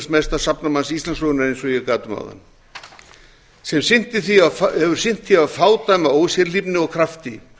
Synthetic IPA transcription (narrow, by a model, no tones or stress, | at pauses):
smɛst̪ḁsapnamansist̪lansloɣʏnaɾejnsvɔjɛɣkaːt̪ʏma̰wða̰nː | sɛmsɪn̥t̪ɪθiaɛvʏɾ̥sɪn̥t̪ʰθiavfaːwt̪ajmaoːwsjɛɾlipnɪɔɣkʰɾaft̪ɪ